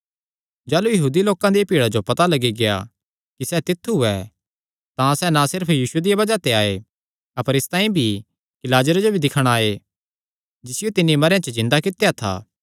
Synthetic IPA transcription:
d͡ʒaːlujɐɦuːd̪iloːkãd̪ijapiːɽad͡ʒopɐt̪alɐɡiɡea̰ | kisɛt̪ɪt̪ʰːuɦʊɛ | t̪ãsɛnasɪɾpʰjiːsʊed̪ijabɐd͡ʒat̪eaːḛ | ɐpəɾɪst̪ãːĩbʱi | kɪlaːd͡ʒəɾd͡ʒobʱid̪ɪkʰəɽ̃aːe | d͡ʒɪsɪjot̪ɪnːimɐɾjãt͡ʃəzɪ̃nd̪akɪt̪ːjat̪ʰa̰ː

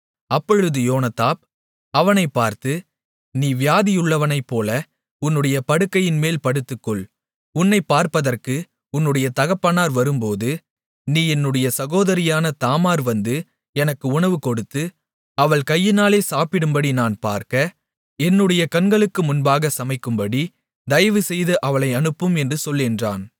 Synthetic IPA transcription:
ɐpːɔɻɯðɯjoːnɐt̪ːaːp̚ | ɐʋɐnɐɪpːaːɾt̪ɯ | niːʋɪjaːðɪjʊɭːɐʋɐnɐɪpːoːlɐ | ʊnːɯɽɐjɐpɐɽɯkːɐjɪnmeːlpɐɽɯt̪ːɯkːɔɭ | ʊnːɐɪpːaːɾpɐðɐrkɯ | ʊnːɯɽɐjɐt̪ɐɣɐpːɐnaːɾʋɐɾɯmpoːðɯ | niːɛnːɯɽɐjɐsɐɣoːðɐɾɪjaːnɐt̪aːmaːɾʋɐnd̪ɯ | ɛnɐkːɯʊɳɐʋɯkɔɽɯt̪ːɯ | ɐʋɐɭkɐjːɪnaːleːsaːpɪɽɯmbɐɽinaːnpa̰ːɾkɐ | ɛnːɯɽɐjɐkɐnɡɐɭɯkːɯmʊnbaːɣɐsɐmɐɪkːɯmbɐɽi | d̪ɐjɐʋɯsɛjðɯʔɐʋɐɭɐɪɐnɯpːɯmɛndrɯsɔlːɪndra̰ːn

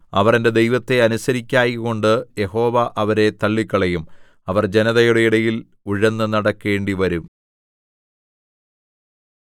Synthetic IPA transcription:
ɐʋɐrende̞d̪ejʋɐt̪ːe̞ɐnusɐɾikʲːaːjiɣo̞ɳɖɨje̞ho̞ːʋɐʔɐʋɐɾe̞t̪ɐɭːikːɐɭejum | ɐʋɐrd͡ʑe̞nɐðɐjuɽe̞iɽɐjil | uɻɐnːɨnɐɽɐkːe̞ːɳɖiʋɐɾum

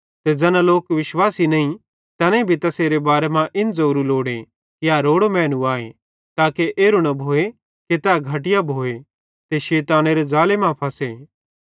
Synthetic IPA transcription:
t̪ed͡ʒɐnãloːkʋɪʃwaːsinɐĩ | t̪ɐnẽbʱit̪ɐseːɾebaːɾemãʔɪnd͡zɐɾuloːɽe | kiaɾoːɽomɛ̃ːnũaːḛ | t̪aːkeʔeːɾunɐbʱoːe | ket̪ɛɡʱɐʈɪjabʱoːe | t̪eʃeːt̪aːneɾezaːlemãpʰɐseː

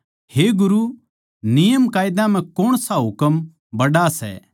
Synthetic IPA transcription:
heɡʊɾu | nɪjəmkaːɪd̪ãm̤ɛ̃koːɽ̃saɦʊkəm | bɐɽasɛ̰ː

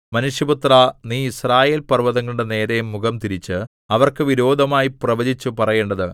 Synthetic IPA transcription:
mɐnuʂjɐbut̪raniːisraːje̞ːlpɐrʋɐðɐŋːɐɭuɽene̞ːɾɐjɐmːuɡɐmt̪iɾit͡ɕːɨ | ɐʋɐrkɨʋiɾo̞ːd̪ʱɐmaːjiprɐʋɐd͡ʑit͡ɕːupɐrɐje̞ːɳɖɐðɨ

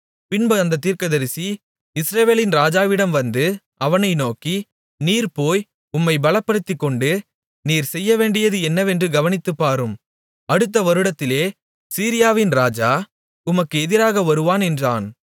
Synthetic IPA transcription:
pɪnbɐɐnd̪ɐt̪̬ːiːɾkɐðɐɾɪsi | ɪsɾɐʋeːlɪnɾaːd͡ʒaːʋɪɽɐmʋɐnd̪ɯ | ɐʋɐnɐɪnoːki | niːɾpoːj | ʊmːɐɪbɐlɐpːɐɽɯt̪ːɪkːɔɳɖɯ | niːɾsɛjːɐʋeːɳɖɪjɐðɯɛnːɐʋɛndrɯɡɐʋɐnɪt̪ːɯpːaːɾɯm | ɐɽɯt̪̬ːɐʋɐɾɯɽɐt̪ːɪleː | siːɾɪjaːʋɪnɾaːd͡ʒaː | ʊmɐkːɯɛðɪɾaːɣɐʋɐɾɯʋaːnɛndraːn

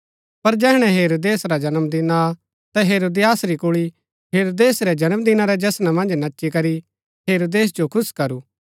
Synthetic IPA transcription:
pɐɾd͡ʒɛːɦɽ̃ɛ̃ɦeːɾoːd̪eːsɾad͡ʒɐnəmd̪ɪna | t̪ɛɦeːɾoːd̪ɪjaːsɾikʊɭi | ɦeːɾoːd̪eːsɾɛd͡ʒɐnəmd̪ɪnaɾɛd͡ʒɐsnamɐ̃nd͡ʒnɐtːʃikɐɾi | ɦeːɾoːd̪eːs̬d͡ʒokʰʊskɐɾuː

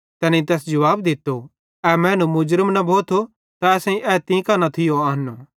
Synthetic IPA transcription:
t̪ɛːnĩt̪̬ɛːsd͡ʒɐʋaːb̚d̪ɪt̪ːo | ɛmɛ̃ːnũmʊd͡ʒɾəmnɐbʱoːt̪ʰo | t̪aɛːsɛ̃ĩʔɛt̪ĩːkɐnat̪ʰɪjoaɦɐnːo

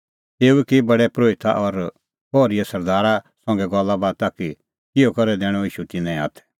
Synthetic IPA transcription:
t̪eːuɛkibɐɽɛpɾoːɪt̪ʰa̰ʔɔɾ | bɔːɾijasɐɾd̪aːɾasɔ̃ŋɡɛɡɔlːabaːd̪̚t̪aːki | kɪjɔkɔɾɛd̪ɛːɽ̃ɔiːʃut̪ɪnɛ̃a̰ːt̪ʰɛ̥

